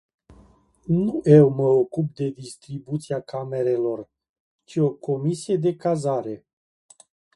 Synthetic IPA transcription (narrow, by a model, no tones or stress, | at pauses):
nuʔe̞wməokup̚d̪e̞d̪ist̪ɾibut̪siakame̞ɾe̞lo̞r | t͡ʃio̞kʰo̞misije̞d̪e̞kazaɾe̞